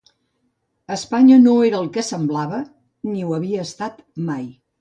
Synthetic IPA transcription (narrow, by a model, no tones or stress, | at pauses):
əspaɲənoeɾəːlˠkəsəmblaβə | niuəβiəːst̪at̪ | maj